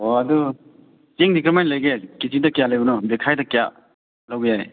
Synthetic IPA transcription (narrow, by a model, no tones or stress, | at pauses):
oɐdu | seŋdikɾemenlɐjɡekizidɐkijalɐjbunɔbekʰajdɐkija | lawbejaj